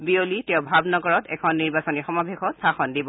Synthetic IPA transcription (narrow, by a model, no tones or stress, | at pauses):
biolitɛʊbʱabnɔɡɔɹɔtɛ̰kʰɔnːiɹbasɔnixɔmabʱexɔstʰaxɔndibɔ